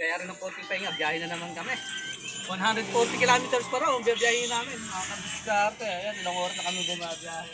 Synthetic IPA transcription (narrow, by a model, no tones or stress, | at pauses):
ɡɐjaːɾɪnɐŋpoɾt̪ɪpɐiŋabjaːhɪnɐnɐmankɐmɛwɐnɦand̪ɾɛd̪̚foɾt̪ɪkɪlaːmɪt̪ɛɾspɐɾaŋbjabjaːhɪnaːmɪnakɐbɪt̪at̪ɛjanɪloŋʔoːɾɐsnɐkɐmɪd̪ɐnabjaːhɪ